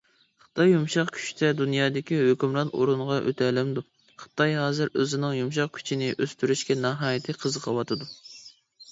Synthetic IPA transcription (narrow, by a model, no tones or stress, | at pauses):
χə̥t̪ʰɑjːumʃɑqkʲʰy̥ʃt̪ʰɛd̪unjɑːd̪ɪkʲihøkʲymɾɑno̰ɾunʁɑʔø̰t̪ʰɛlɛmd̪u | χə̥t̪ɑjɦɑːzɨɾø̰zɪnɪŋjumʃ̬ɑq̚kʲʰy̥t͡ʃʰinɪʔøst̪yɾyʃkʲɛnɑɦɑːjɪt̪ʰɨqʰəzqʰɑwɑt̪ʰɨd̪u